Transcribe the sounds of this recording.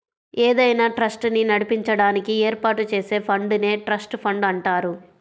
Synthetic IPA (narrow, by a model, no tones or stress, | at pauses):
eːd̪ɐjnaːʈɾɐsʈninɐɽipiɲt͡ʃɐɽaːnikieːɾpaːʈut͡ʃe̞ːse̞ːpʰɐɳɖune̞ːʈɾɐsʈpʰɐɳɖɐɳʈaːɾu